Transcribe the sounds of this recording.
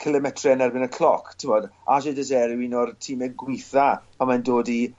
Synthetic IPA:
kʰɪlˠɛmɛtʰrɛnɛrbɪnəkʰl̥ɔkʰtʰɪmɔdaʃɪdəs̬ɛɾɪwinɔrtʰiːmɛɡwɪθapʰamandoːdi

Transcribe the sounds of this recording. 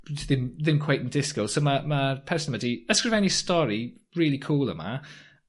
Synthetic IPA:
ðɪ̃mðɪ̃mkʰw̥eɪʔɪ̃ndɪskoʊsoʊməməpʰɛɹsən̩mədiəskɹəvɛnistɔɹiɹɪːlikʰuːlˠə̰ma̰

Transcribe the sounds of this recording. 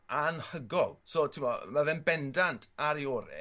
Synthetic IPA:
anhəɡɔlˠsoːtʰɪmɔmaðɛnbɛndantʰaɾioːɾɛ̰

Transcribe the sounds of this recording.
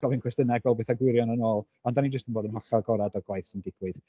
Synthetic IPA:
ɡɔvinkʰwɛstənɛɡvɛlˠbeːθaɡwɪɾjɔnənoːlˠ | ɔndanid͡ʒəstənboːdənɦɔɬaɡɔɾadɔɡwajθsɪndɪɡ̥wɨð

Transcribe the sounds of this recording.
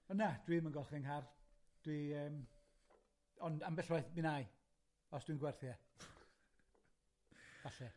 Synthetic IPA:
ɔnːad̥wimənɡɔlˠχɛnɦard̥wiəːm | ɔndambɛɬwajθbɪnaj | ɔsd̥winɡwɛrθjɛ | vaɬɛ

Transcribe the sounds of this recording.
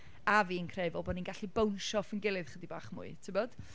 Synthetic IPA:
aviːənkʰrɛvɔlˠbɔninɡaɬibownʃɔfənɡɪlˠɨð̥χədibaːχmʊ̰ɨtʰɪbɔd̥

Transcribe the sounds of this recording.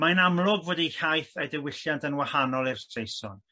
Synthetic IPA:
majnamlˠʊɡvoːdihajθedɛwɪɬjantənwahanɔlˠɪrtʰrejsɔn

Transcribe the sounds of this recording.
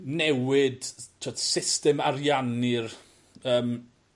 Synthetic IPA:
nɛwɪd̥tʰɔtsɪstɛmaɾjanɪr | əːm

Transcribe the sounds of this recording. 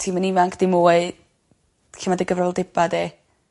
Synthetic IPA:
tʰiːmənivaŋkʰd̥ɪmuːɨ | ɬʰəmadiɡəvrɔɛlˠdɪbade

